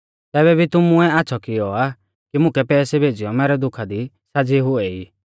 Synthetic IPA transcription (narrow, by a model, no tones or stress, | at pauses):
t̪ɛːβɛbʱit̪ʊmʊɛaːsʰɔkɪɔa | kimʊ̃kɛpɛːsɛbʱeːd͡ʒɪjɔmɛːɾɛd̪ʊkʰad̪i | sad͡ziɦʊɛiː